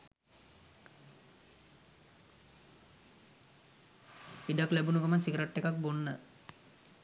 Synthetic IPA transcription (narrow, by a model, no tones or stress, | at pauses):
iɖaklæbunukamansikɾeʈːekak̚bonːə